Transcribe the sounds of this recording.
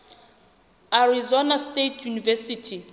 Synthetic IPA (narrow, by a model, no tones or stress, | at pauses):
arizɔnastetʰjunivɛsitʰi